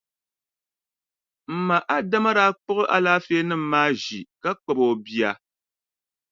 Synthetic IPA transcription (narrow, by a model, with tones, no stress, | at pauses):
m̩˨ma˨ʔa˦da˦ma˦ɾa˦k͡pʊ˦ɣɨ˦ʔa˦laː˦feː˦nɨ˦m̩˦maː˦ʒi˨ka˦k͡pɔ˨bo˨bi˨a˨